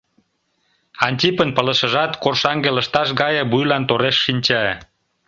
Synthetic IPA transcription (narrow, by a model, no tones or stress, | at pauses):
ɑnʲtʲipənpələ̆ʃə̆ʒɑt̪korʃɑŋɡelə̆ʃt̪ɑʃɡɑjə̆bujlɑnt̪oɾeʃːinʲt͡ɕɑe